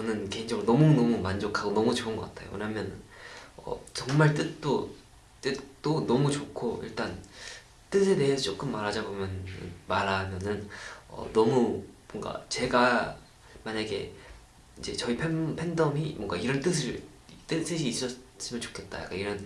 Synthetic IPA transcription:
t͡ɕʌnɯnke̞iŋd͡ʑʌŋɾonʌmunʌmumand͡ʑokʰaɡonʌmut͡ɕoɯnɡʌk͈atʰajo̰wḛɲamjʌnʌ̰t͡ɕʌŋmaɭt͈ɯt̚t͈o | t͈ɯt͈onʌmut͡ɕokʰoḭɭt͈an | t͈ɯs̬ʰe̞de̞ɦesʰʌt͡ɕ͈ok͈ɯmːaɾɦad͡ʑabomjʌnɯ̰nmaɾamjʌnɯnʌ̰nʌmumoʌŋɡa̰t͡ɕe̞ɡa | maɲaɡe̞̰ | id͡ʑe̞t͡ɕʌipʰepʰendʌmimwʌŋɡaiɾʌnt͈ɯs̬ʰɯɭ | t͈ɯs͈ʰɯɕʰiːs͈ʌs͈ɯmjʌnt͡ɕo̥kʰet̚t͈a̰ja̰k͈a̰iɾʌn

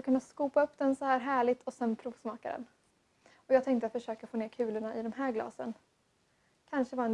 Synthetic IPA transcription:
kʰɵnːatskuːpaɵpːd̪ɛnsɔhæːɾɦæːɭɪt̪ʰɔsɛnpʰɾuːvsmɑːka̰d̪ɛ̰n | ɔjɑːɡt̪ʰɛŋkt̪əat̪fœʂøːkafoːneːɾkʰʉ̟ːləɳaʔɪd̪ɔmɦæːɾɡlɑ̰ːsə̰n | kʰanʂəvɑɾɛn

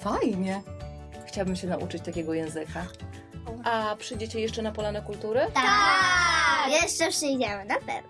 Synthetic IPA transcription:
t̪ajɲɛ | xt͡ɕawbɘmɕɛnaʔṵt͡ʂɘt͡ɕt̪akʲɛɡɔjɛ̃w̃zɘka | ʔapʂɘjd͡ʑet͡ɕɛjɛʂt͡ʂɛnapɔlanɛkult̪uɾɘt̪a | jɛʂt͡ʂɛpʂɘjd͡ʑɛmɘnapɛ̰vn

